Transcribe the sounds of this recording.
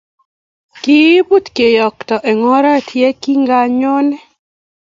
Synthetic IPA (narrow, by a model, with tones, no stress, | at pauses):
ki˦bu˦t̪ke˨jɔ˨kt̪ɔ˨ʔɛ˨ŋɔ˦ɾa˦tʰje˦ki˦ŋɡa˦ɲɔ˦nɛ˦